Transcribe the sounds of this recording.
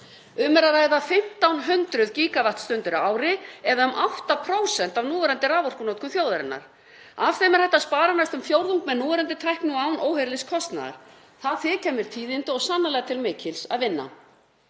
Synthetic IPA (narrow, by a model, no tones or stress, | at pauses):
ʏmɛɾaðɾaːjðafɪm̥t̪awnɦʏnt̪ɾʏðciːkavaht̪st̪ʏnt̪ʏɾaːwɾɪɛðaʏmʔawht̪apʰɾoːwsɛnt̪avnuːvɛɾɛnt̪ɪraːvɔr̥kʏnoːt̪̚kʏmθjoːwðaɾɪnːa̰ɾ̥ | av̥θejmɛɾ̥hɛht̪ːaspaːɾanajst̪ʏmfjowɾðuŋkmɛðnuːɛɾɛnt̪ɪt̪ʰɾajhknʏawnʔoːwɦɛɾlɪskʰɔst̪na̰ða̰ɾ̥ | θaðθɪcʰɛːmɪɾ̥t̪ʰiːðɪnt̪ʏɔɣsanːalɛːɣat̪ʰɪlmɪːcɪlsa̰ðvɪnːa̰